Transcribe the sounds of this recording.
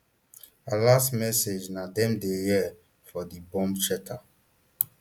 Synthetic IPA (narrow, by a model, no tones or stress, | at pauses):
alastmɛsed͡ʒnadɛ̃mdejɛ | fɔdibɔ̃mbt͡ʃɛtʰa